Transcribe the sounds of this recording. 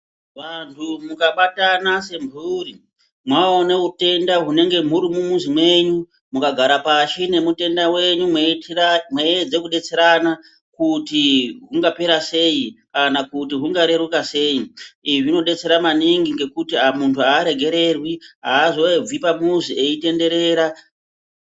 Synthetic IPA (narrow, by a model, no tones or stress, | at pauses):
ʋantʰumukaɓatanase̞mbʱuːri | mwaoneɦute̞ndaɦune̞ŋɡe̞m̤uɾimumuzimwe̞ɲu | mukaɡʱaɾapaʃine̞mute̞ndawe̞ɲum | mwed͡ze̞kuɗe̞t͡se̞ɾana | kutiɦuŋɡape̞ɾase̞jikanakutiɦuŋɡaɾe̞ɾukase̞ːiiʐino̞ɗe̞t͡se̞ɾamaniŋɡiŋɡe̞kutiamuntʰuaːɾe̞ɡʱe̞ɾe̞rwiɦaːzo̞eb͡vipamuzie̞ite̞nde̞ɾe̞ːɾa